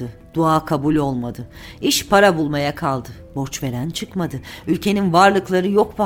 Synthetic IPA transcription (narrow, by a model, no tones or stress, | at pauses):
ɯd̪̥uaːkʰabulʲo̞lˠmad̪ɯ | iʃpʰaɾabulˠmajakʰalˠd̪ɯ | bo̞ɾt͡ʃve̞ɾænt͡ʃʰɯkmad̪ɯylʲcʰe̞ninvaɾlˠɯklˠaɾɯjo̞kba